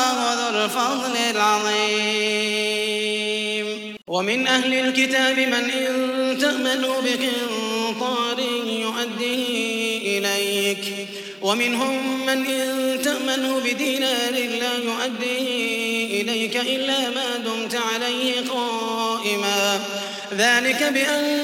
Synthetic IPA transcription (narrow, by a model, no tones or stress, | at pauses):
wɑðalfɑd̪ˤlɪlʕɑðˤiː | m | wamɪnʔahlɪlkɪt̪aːbɪmanʔɪnt̪aʔmanuːbɪqɪt̪ˤɑːɾɪjʊʔad̪ːiːʔɪlajk | wamɪnɦʊmːanʔɪnt̪aʔmanuːbɪd̪iːnalɪlːaːjʊʔad̪ːiːʔɪlajkaʔɪlːaːmaːd̪ʊmt̪aʕalajhɪqɑː | ʔɪmaː | ðaːlɪkabɪʔan